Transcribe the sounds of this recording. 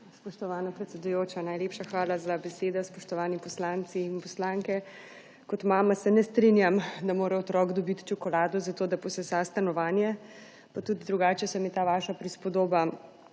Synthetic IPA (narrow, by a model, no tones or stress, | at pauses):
spɔʃt̪ɔʋaːnapɾɛt̪sʲɛd̪ujoːt͡ʃanajleːpʃaxʋaːlazabɛseːd̪ɔspɔʃt̪ɔʋaːnipɔslant̪siːnpɔslaŋkɛ | kɔt̪maːmasɛnɛst̪ɾinjamd̪amoːɾɛɔt̪ɾɔːɡd̪ɔbit̪t͡ʃɔkɔlaːd̪ɔzat̪oːd̪apɔsɛsast̪anɔʋaːnjɛ | pat̪ud̪d̪ɾuɡaːt͡ʃɛsamit̪aːʋaːʃapɾispɔd̪oːba